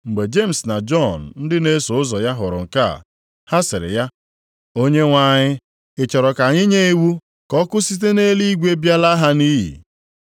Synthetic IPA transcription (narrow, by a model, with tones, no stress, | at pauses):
ŋ͡m̩˨ɡ͡be˨d͡ʒe˦˨m̩˨sna˨d͡ʒɔ˦˨n̩˨n̩˦dɪ˦ne˦so˨˦ʊ˦zɔ˨ja˦ɦʊ˨ɾʊ̰˨ŋ̩˨ka̰˦˨ | ha˦sɪ˨ɾɪ̰˨ja˦ | o˦ɲe˦ŋʷa˦ɲɪ˦ | ɪ˨t͡ʃɔ˨ɾɔ˨ka˨ɲɪ˦ɲe˦i˦wu˦ | kɔ˦kʊ˦si˦t̬e˦ne˦li˦i˦ɡʷe˦bja˦la˦ɦa˦ni˦ɦḭ˨